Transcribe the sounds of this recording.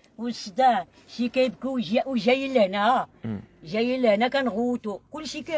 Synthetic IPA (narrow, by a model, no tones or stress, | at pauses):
usda | ʃikajb̚ɡuaʔuʒajilːənaaʒajilːənakanɣuwutokulːʃika